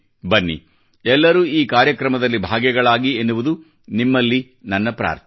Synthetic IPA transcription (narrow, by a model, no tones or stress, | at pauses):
bɐnːḭ | ɛlːɐɾuːiːkaːɾjɐkɾɐmɐd̪ɐlːibʱaːɡjɛɡɐɭaːɡienːuʋud̪u | nimːɐlːi | nɐnːɐpɾa̰ːɾt̪ʰ